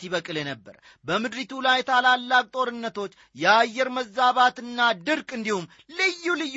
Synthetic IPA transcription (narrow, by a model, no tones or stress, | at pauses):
iβəkʼɨlenəbːə̰ɾ | bəmɨd̪ɾit̪ʰulajt̪ʰalalːakʼt̪ʼo̞ɾɨnːət̪ʰo̞t͡ʃː | jɛajːɛɾməzːaβat̪ɨnːad̪ɨɾkʼɨnd̪ihumː | lɨjːulɨj